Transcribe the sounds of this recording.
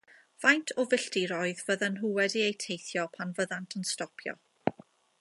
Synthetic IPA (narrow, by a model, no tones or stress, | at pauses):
v̥ajntʰɔvɪɬtiɾɔɨðvəðanɦuwɛdiejtʰejθjɔpʰanvəðantʰənstɔpʰjɔ̰